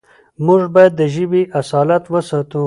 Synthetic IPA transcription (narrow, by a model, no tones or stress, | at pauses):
mʊʐbajad̪ːəʒɪbiʔasɑːlat̪wəsɑːt̪u